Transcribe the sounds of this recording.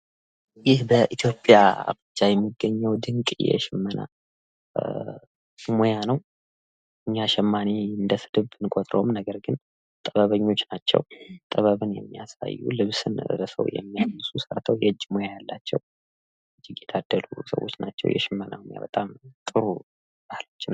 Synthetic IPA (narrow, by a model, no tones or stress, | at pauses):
jɪhbəʔit̪ʰjo̞pʼjaa̰mɨd͡ʒajɛmːiɡːəɲːɛwd̪ɨŋkʼjɛ̰ʃɪmːəna̰ | mojanəw | ʔɨɲːaʃɛmːaneɨnd̪əsɨd̪ɨβɨnkʼot̪ʼɾo̰mnəɡəɾɡɨn | t̪ʼəβəβəɲːo̞t͡ʃːnat͡ʃːɛ̰wt̪ʼəβəβɨnjɛmːijasa̰jːṵlɨβsɨnɾəsə̰wjɛ̰mːijamɨsusəɾt̪ʰəwjɛd͡ʒːmo̞jajalːat͡ʃːɛw | ɨd͡ʒːiɡjɛt̪ʰad̪̥ːəlusə̰wo̞̰t͡ʃːnat͡ʃːɛ̰wjɛ̰ʃɪmːəna̰moja̰bət̪ʼamt̪ʼɨɾu | bahlot͡ʃːɪnːa